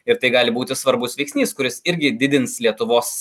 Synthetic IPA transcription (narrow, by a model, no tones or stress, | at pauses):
ɪɾt̪ɐɪɡɑːlʲɪbuːt̪ʲɪsʋɐɾbʊsʋʲɛɪksʲnʲiːskʊɾʲɪsɪɾʲɡʲɪd̪ʲɪd̪ʲɪnslʲiɛt̪ʊʋoːs